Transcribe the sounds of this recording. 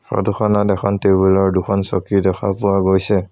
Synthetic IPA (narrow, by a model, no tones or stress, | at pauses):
sɔ̰duxʰɔnadɛkʰɔntebulɔɹdukʰɔnsɔkidɔxʰa̰pʊwaɡojsɛ